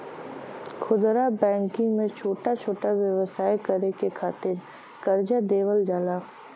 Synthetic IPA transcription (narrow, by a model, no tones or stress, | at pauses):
kʰʊd̪ɾabɛ̃ːŋkɪ̃ŋɡmẽt͡ʃʰoːʈat͡ʃʰoːʈaʋjɐʋsaːjkɐɾekekʰaːt̪ɪɾ | kɐɾd͡ʒad̪eːʋəld͡ʒaːlaː